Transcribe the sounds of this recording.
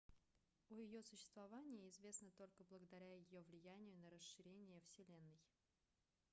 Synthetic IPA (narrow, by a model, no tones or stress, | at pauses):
ʊjɪjo̞sʊɕːɪ̥st̪vɐvanʲɪjəɪzvʲe̞snət̪o̞lʲkəblˠəɡəd̪ɐɾʲæjɪjovlʲɪjænʲɪjʊnəɾəsɨɾʲenʲɪjəfsʲɪlʲe̞nːɨj